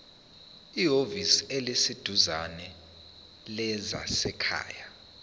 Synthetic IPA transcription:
iɦovisielisid̥ʱuzanɛ | lɛza̰sɛkʰa̰ːja

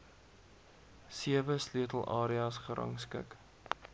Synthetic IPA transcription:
siəvəslyətəlˠʔɑːɾiɑːsχəɾʔɐ̰ŋskə̰k

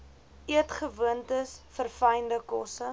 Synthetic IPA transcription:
ʔiətχəvuəntəsfərfəjndəkɔsə

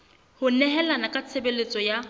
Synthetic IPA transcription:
hʊnɛɦɛlanakʼat͡sʰebelet͡sʼɔja

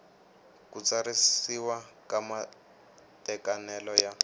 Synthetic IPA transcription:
kut͡saɾisiwakama | tɛkanɛlɔja

